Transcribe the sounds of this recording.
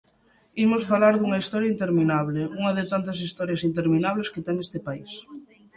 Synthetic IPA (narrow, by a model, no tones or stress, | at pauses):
imʊsfalaɾðuŋɐist̪ɔɾjɐint̪eɾminaβlɪuŋɐðɪt̪ant̪ɐsist̪ɔɾjɐsint̪eɾminaβlesket̪ɛŋest̪ɪpais